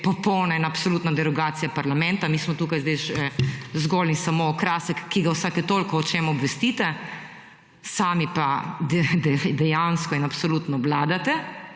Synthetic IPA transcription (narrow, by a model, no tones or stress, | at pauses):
pɔpɔwnainapsoluːt̪nad̪ɛɾɔɡaːt̪sijapaɾlamɛ̃nt̪amiːsmɔt̪uːkajzd̪ɛʃɛzɡoːlinsamokɾasəkːiɡawsaːkjɛt̪olkɔːt͡ʃemɔbʋɛst̪it̪ɛ | saːmipad̪ɛd̪ɛd̪ɛjanskɔinapsoluːt̪nɔʋlaːd̪at̪ɛ